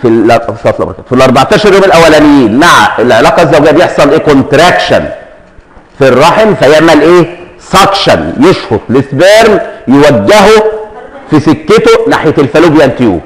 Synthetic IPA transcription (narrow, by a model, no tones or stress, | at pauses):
fisɑflʔɑ̰bɾɑkæfilʔɑɾˤbɑʕt̪ˤɑːʃɑɾˤjoːmelʔæwːælænejiːnmaʕelʕelɑːqɑzːæwɡejːæbejeħsˤɑlʔeːkont̪ɾˤækʃæ̰n | firˤːɑħemfæjeʕmælʔeː | sɑkʃænjeʃhod̪ˤlesbeɾmjewæɡːeɦo | fisekːet̪onaħjet̪elfæluːbejænt̪jṵː